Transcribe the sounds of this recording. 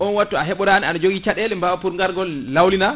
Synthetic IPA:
ʔɔnwatːuaɦɛɓɔɾanianad͡ʒoɡit͡ʃaɗɛlɛmbawapuɾŋɡaɾɡɔlːawlina

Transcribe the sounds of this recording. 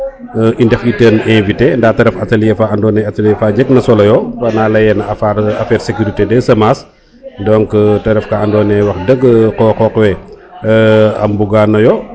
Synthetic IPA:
ʔindɛfitəːnɛ̃nvitendaːtɐɾɛfɐtɐljɛfaɐndɔːnɛɐtɐljɛfaːɟək̚nɐsɔlɐjɔfɐnaːlɐjɛnɐɐfaɐfɛːɾsekuɾitedɛsɐmaːs | dɔŋktɐɾɛfkaɐndɔːnɛwɐxdəɡːkɔkɔːkwɛ | ɐ̰mbuɡaːnːɐjɔ

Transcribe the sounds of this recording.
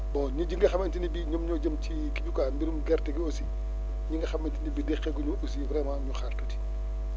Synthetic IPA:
bɔɲuɟiŋɡɐxɐmɐntinibiɲɔmɲɔɟɐmt͡ʃi | kiɟukaːmbiɾumɡɐrtɛkiosi | ɲiŋɡɐxɐmːɐntinibidɛxɛɡɔɲuʔos̬ivɾɛːmaɲuxartɐti̥

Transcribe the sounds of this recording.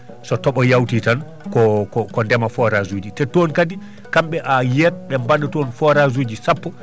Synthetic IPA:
sɔtɔɓɔjawtitan | kɔkɔkɔndɛmafɔɾazuːd͡ʒitɛtɔnkadi | kamɓɛʔajɛt̚ɓɛmbaɗɛtɔnfɔɾazuːd͡ʒisapːɔ

